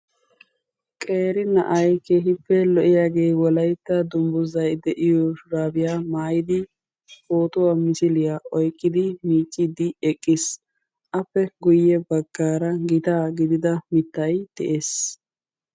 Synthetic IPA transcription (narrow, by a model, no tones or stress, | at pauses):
kʼe̞ːɾɪnɐ̰ʔɐjkeːɦɪpːɛlɔʔɪjaːɡe̞ːwɔlɐjt̪ːɐd̪ʊmbʊzɐjd̪ɛʔɪjɔʃʊɾaːbɪjaːmaːjɪd̪ɪ | foːt̪ʊwaːmɪsɪlɪjaɔjkʼːɪd̪ɪmiːt͡ʃʼːɪd̪ɪɛkʼːɪs | ʔɐpːɛɡʊjːɛbɐɡ̥ːaːɾɐɡɪt̪aːɡɪd̪ɪd̪ɐmɪt̪ːɐjd̪̥ɛ̰ʔeːs